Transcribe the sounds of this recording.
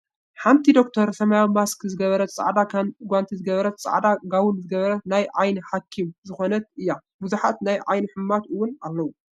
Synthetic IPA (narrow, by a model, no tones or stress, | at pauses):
ħant̪ʰid̪o̞kt̪ʰɐɾsɐmajawmaskzɨɡɐβɐɾɐt̪t͡sʼa̰ʕd̪aɡʷant̪ʰizɨɡɐβɐɾɐt̪t͡sʼa̰ʕd̪aɡaβunzɨɡɐβɐɾɐt̪najʕajniħakʰːimzɨxo̞nɐt̪̚ɨjːa | buzuħat̪najʕa̰jniħɨmːat̪ɨwʊnalːɐwu